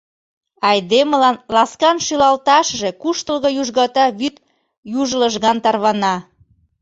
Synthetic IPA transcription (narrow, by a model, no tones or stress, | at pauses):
ɑjd̪eməlɑnlɑskɑnʃylɑlt̪ɑʃʒe̽kuʃt̪əlɣojuʒɣɑt̪ɑβyt̪ | juʒləʒɣɑnt̪ɑrβɑnɑ